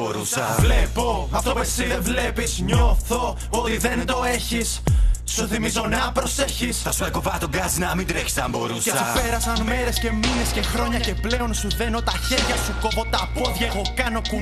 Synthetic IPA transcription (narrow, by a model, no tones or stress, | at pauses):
boɾusɐvlepoɐft̪opesievle̞pizɲoθo̞ | ot̪iðe̞nd̪o̞e̞çissuθimizoneɐpɾo̞se̞çisθɐsuekovɐt̪oɡɐzinɐmind̪ɾeçi̥sɐmboɾusesupe̞ɾɐsɐnme̞ɾe̞sce̞mine̞sce̞xɾo̞ɲɐce̞ple̞o̞nsuðe̞no̞t̪ɐçe̞ɾʝɐsuko̞vo̞t̪ɐpoðʝɐeɣo̞kɐno̞ku